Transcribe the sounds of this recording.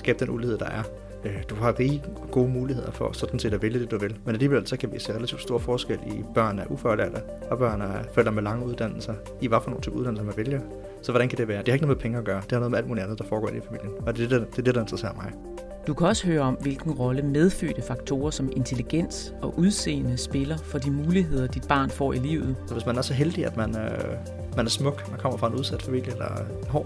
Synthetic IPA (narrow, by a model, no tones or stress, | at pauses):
sɡ̥ɛ̰ːb̥d̥enʔulihe̝ð̰ˠd̥ɑ̈ʔæɐ | ød̥uhɑ̈ʁiː | ɡ̥o̝ːmuːlihe̝ð̞̰ˠɐfɒ̽sɒ̽d̥n̩se̝ːd̥ɒʋeləd̥e̝d̥uʋe̝lmenæliːʋel̰sɒ̽kʰæʋise̝ːʁelæt͡sʰiʊd̥sd̥o̝ɐfɒːsɡ̥el̰ib̥ɶɐ̰næɐʔufɒlæɐd̥ə | ɒ̽b̥ɶɐ̰nəæfel̰ɐmelɑ̈ŋəuð̞ˠd̥æn̰l̩sɐ | iʋɑ̈fɒno̝ːn̩t͡sʰyːbuð̥ˠænl̩səmæʋeljɐ | sɒ̽ʋɒɾænkʰæd̥e̝ʋæːɐd̥e̝hɑeɡnom̩epʰeŋəɒɡ̥ɶːɐd̥e̝hɑ̈noðˠeæ̰ldmuːliænd̩ˠdɑ̈fɒːɡ̥ɒ̰ːʔe̝nifæmḭl̰jənɒd̥e̥d̥eɐd̥e̝ɾɑ̈end̥ʁɐsḛɐ̰ɐmɑ̈ɪ | d̥ukʰæɒ̽səhøːɐɒ̽mʋe̝lɡ̥n̩ʁɒ̽ləmeð̞ˠfø̰ːd̥əfɑ̈ɡ̥̚t͡sʰo̝̰ːɐsɒ̽me̝nt͡sʰe̝liɡ̥en̰s | ɒ̽ʔuð̞ˠse̝̰ːnəsb̥e̝lɐfɒ̽d̥imuːliɦe̝ð̞̰ˠɐd̥id̥̚b̥ɑ̰̈ːnfɒ̰ːilḭːʊð̞̩ˠsɒ̽ʋesmænæɐsɒ̽ɦeld̥iæd̥mænø | mænæɐsmɔ̽ɡ̥mænkʰɒ̽m̰ɐfʁɑe̝nuð̞ˠsæd̥fæmil̰jəelɐenɒ̰ː